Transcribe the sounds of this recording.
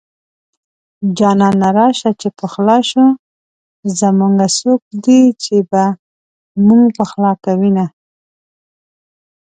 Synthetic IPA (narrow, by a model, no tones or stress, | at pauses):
d͡ʒɑnɑnaɾɑʃat͡ʃepəxlɑʃu | zamuŋɡasok̚d̪it͡ʃeba | muŋɡpəxlɑkawina